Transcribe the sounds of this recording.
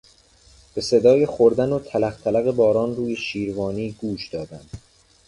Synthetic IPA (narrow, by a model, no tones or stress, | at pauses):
b̥e̞se̞d̪ɒːjexoɾd̪ænot̪ʰælæxt̪ʰælæɣe̞bɒːɾɒːnruːje̞ʃiːɾvɒːniːɡuːʃd̪ɒːd̪ænd̪̥